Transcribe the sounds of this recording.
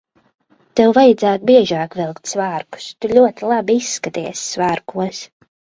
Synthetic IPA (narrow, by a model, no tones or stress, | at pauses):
t̪ɛwvajad̪zaːt̪ubiɛʒaːkvilˠkt̪svaːɾku̥st̪uʎʲuɔt̪ilˠabiisːkat̪iɛsːvaːɾkuəs